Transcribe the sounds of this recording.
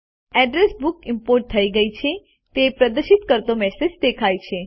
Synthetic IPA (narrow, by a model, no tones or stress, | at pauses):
ɛɖɾesbukɪmpoɾʈ̚t̪ʰəiɡəit͡ʃʰe | t̪epɾəd̪əʃit̪kəɾt̪omɛsed͡ʒd̪ekʰajt͡ʃʰe